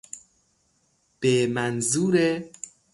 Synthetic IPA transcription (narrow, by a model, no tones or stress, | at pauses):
b̥emænzuːɾe